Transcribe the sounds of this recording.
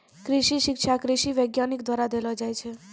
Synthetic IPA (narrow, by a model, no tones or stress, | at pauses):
kɾɪʃiʃɪkʃʰakɾɪʃiʋəjɡjanikd̪waɾad̪elɔd͡ʒajt͡ʃʰe